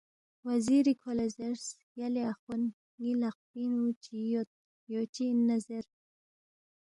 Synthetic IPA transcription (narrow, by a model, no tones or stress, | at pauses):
waziɾikʰolezeɾs | jaleaxun | ŋilaq̚pinut͡ʃʰijot̪̚ | jot͡ʃiːnːazeɾ